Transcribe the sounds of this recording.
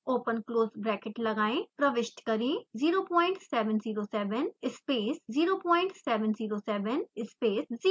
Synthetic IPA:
oːpənkloːzbɾɛːkɪʈləɡaːẽːpɾəʋɪʃʈ̪kəɾĩziːɾoːpɔ̃ːɪ̃ɳʈsɛːʋənziːɾoːsɛːʋənɪspeːsziːɾoːpɔːɪ̃ɳʈsɛːʋənziːɾoːsɛːʋənɪspeːsziː

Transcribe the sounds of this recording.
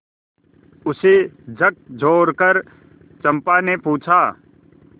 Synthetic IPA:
ʊsed͡ʒək̚d͡ʒʱoːɾkəɾ | t͡ʃɐ̃mpanepuːt͡ʃʰaː

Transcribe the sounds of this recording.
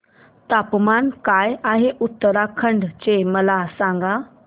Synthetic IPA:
t̪apmankajaɦeʔut̪ːəɾakʰəɳɖt͡ɕeməlasãŋɡa

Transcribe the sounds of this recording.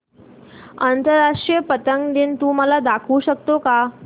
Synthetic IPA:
ənt̪əɾːaʂʈɾijəpət̪əŋɡd̪iːnt̪ũːməlad̪akʰuːɕək̚t̪oka

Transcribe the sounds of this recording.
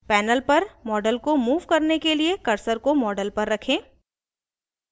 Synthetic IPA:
pɛːnəlpɐɾmɔːɖəlkomuːʋkɐɾnekeliekɐɾsəɾkomɔːɖəlpɐɾːɐkʰẽː

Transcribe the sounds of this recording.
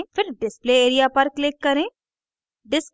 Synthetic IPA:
fʰɪɾɖɪspleeːɾijapɐɾklɪkːɐɾẽː | ɖɪs

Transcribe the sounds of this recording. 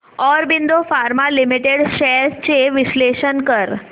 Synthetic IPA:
ɔɾbind̪ofaɾmalimiʈeɽʃɛst͡ɕeʋiɕleʃənkəɾ

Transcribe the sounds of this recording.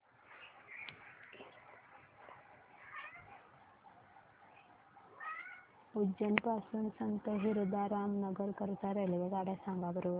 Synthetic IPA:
ud͡ʒɐnpaːsɐnsɐnt̪ɐɦiɾud̪aːɾaːmnɐɡɐɾkɐɾt̪aːɾeliʋeɡ̪aːɽɐsaːŋɡaːbɐɾu

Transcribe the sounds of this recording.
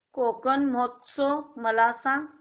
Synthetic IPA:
koːkənmot̪soməlaːsã

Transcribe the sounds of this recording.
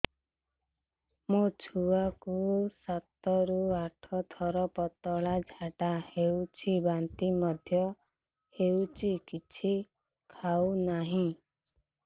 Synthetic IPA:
mot͡sʰuwakusat̪ɔɾuaʈʰɔt̪ʰɔɾɔpɔt̪ːɔɭad͡zʱaʈahewt͡sʰibant̪imʌd̪ʱjʌ | hewt͡sikit͡sʰi | kʰawnaɦĩ

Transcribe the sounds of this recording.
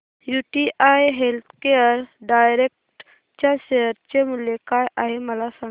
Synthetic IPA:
juʈiʔajɦelt̪ʰkejəɾɖaːjɾek̚ʈ | t͡ʃaseəɾt͡ʃemulekajʔaɦemɐlasɐ

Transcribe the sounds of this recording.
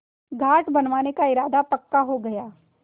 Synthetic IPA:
ɡʱaːʈbɐnʋaːnekaɪɾaːd̪ap̪ɐkːaɦoɡɐjaː

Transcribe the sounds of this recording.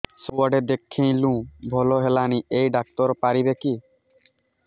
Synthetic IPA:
suaɖed̪ekʰːẽj̃lũbʱɔloɦelaniʔejɖak̚t̪ɔɾɔpaɾibeki

